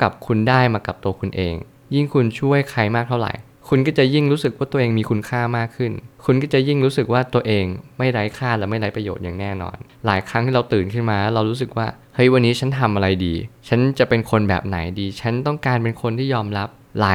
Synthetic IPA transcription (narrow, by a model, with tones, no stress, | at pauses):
ka˨˩p̚kʰu˧ndaː˥˩jmaː˧ka˨˩p̚t̪u˧əkʰu˧nʔḛː˧ŋ | ji˥˩ŋkʰu˧nt͡ɕʰu˥˩əjkʰa˨˦˩jmaː˥˩a˥˩wɾa̰˨˩j | kʰu˧nkɔː˥˩t͡ɕa˨˩ʔji˥˩ŋɾu˦˥sɯ˨˩k̚waː˥˩t̪u˧ʔeː˧ŋmiː˧kʰu˧nkʰaː˥˩maː˥˩kʰːɯ˥˩nkʰu˧nkɔː˥˩t͡ɕa˨˩ji˥˩ŋɾuː˦˥sɯ˨˩k̚waː˥˩t̪u˧ɐʔeː˧ŋma˥˩jɾa˦˥jkʰaː˥˩lɛː˨˩ma˥˩jɾa˦˥jpɾa˧jo̰ː˨˩t̪̚ja̰ː˨˩ŋnɛː˥˩nɔ̰ː˧n | laː˩˦jkʰɾa˦˥ŋt̪ʰiː˥˩ɾa˧wt̪ɯː˨˩nkʰɯ˥˩nmaː˧˥ɾa˧wɾuː˦˥s̬ɯ˨˩k̚waː˥˩ | hɤ˦˥˩jwa˧nːiː˦˥t͡ɕʰa˦˥nt̪ʰa˧mʔa˧ɾa˧jdiː˧t͡ɕʰa˦˥nt͡ɕa˨˩pe˧nkʰo˧nbɛ̰ː˨˩p̚na̰˩˦jdiː˧t͡ɕʰa˦˥nt̪ɔ˥˩ŋkaː˧npe˧nkʰo˧nt̪ʰiː˥˩jɔː˧mɾa˦˥p̚ | laː˨˩˦